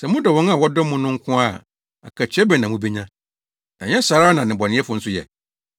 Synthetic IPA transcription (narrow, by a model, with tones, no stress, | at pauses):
sɛ˨mʊ̃˦dɔ˨wɔ̃˨˦na˨wɔ˦dɔ˦mʊ̃˦nʊ̃˦ŋ̩˦kʰʊ̃˦a˦˨ | a̰˨kʰa˨t͡ɕʰᶣɛ˦bɛ˨nã˨mũ˦be˦ɲã˦ | nã̰˨ɲɛ̃˦ɕa˨ɾaː˦nã˨nɪ̃˨bɔ˨nɪ̃˦ɛ˦fʊ˨n̩˦sʊ˦jɛ̰˨